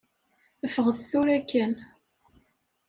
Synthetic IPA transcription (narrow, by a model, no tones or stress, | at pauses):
əfəʁəðθuɾækːən